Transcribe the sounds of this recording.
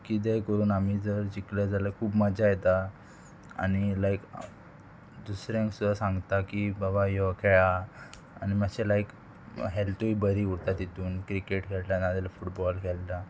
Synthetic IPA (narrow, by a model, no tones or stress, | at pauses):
kid̪ɛkəɾuːnamiːd͡zəɾd͡ʑiklad͡zalakʰuːbmad͡ʑajet̪a | a̰nilajk | d̪usɾjãŋksud̪asãŋɡt̪akibabajɔkʰɛɭa | a̰ñimaɕelajk | ɦɛlʈuibəɾiuɾt̪at̪it̪uːnkɾikeʈkʰɛllanad̪ɛlafuʈbɔlkʰɛlta